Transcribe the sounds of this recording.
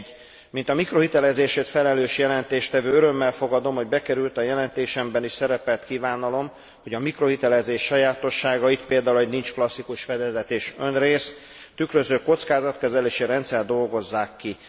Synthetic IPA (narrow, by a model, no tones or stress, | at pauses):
mint̪ɒmikro̞ɦit̪ɛlɛzeːʃeːt̪fɛlɛløːʃjɛlɛnt̪eːʃt̪ɛvøːøɾø̞mːɛlfo̞ɡɒd̪o̞mho̞ɟbɛkɛɾylt̪ɒjɛlɛnt̪eːʃɛmbɛniʃsɛɾɛpɛlt̪kiːvaːnɒlo̞m | ho̞ɟɒmikro̞ɦit̪ɛlɛzeːʃːɒjaːt̪o̞ʃːaːɡɒit̪peːld̪aːulɦo̞ɟnint͡ʃklɒsːikuʃfɛd̪ɛzɛt̪eːʃønreːs | t̪ykrøzøːko̞t̪skaːzɒt̪kɛzɛleːʃiɾɛnt̪sɛrd̪o̞lɡo̞zːaːkːi